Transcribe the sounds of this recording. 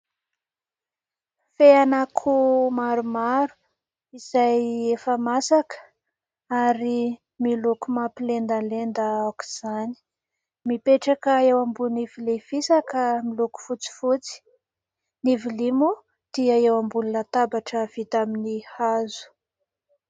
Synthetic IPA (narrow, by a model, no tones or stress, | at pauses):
feanakʰumaɾumaɾu̥ | iz̥ajefəmasakə̥ | aɾi | milukumapilend̪alend̪əawwki̥z̥ani̥ | mipeʈ͡ʂakəewambunivilev̥isakəmiluku̥fut͡si̥fut͡si̥ | nivilimu | d̪̥iəewambulunət̪abaʈ͡ʂəv̥it̪aminihazu̥